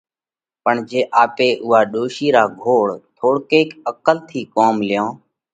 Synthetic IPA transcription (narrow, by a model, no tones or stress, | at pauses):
pəɳd͡ʒeːʔaːpeːʔʊɦaːɗoːʃiːɾaːɡʱoːɽt̪ʰoːɽkeːkəkəlt̪ʰiːkoːmlɪjõː